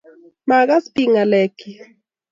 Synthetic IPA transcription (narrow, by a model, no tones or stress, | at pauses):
maɢaspɪŋalajkɪ